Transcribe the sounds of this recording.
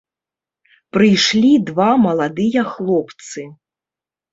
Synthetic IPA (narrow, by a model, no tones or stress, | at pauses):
pɾɨjʂlʲid̪vamɐlˠad̪ɨjɐxlˠɔpt̪sɨ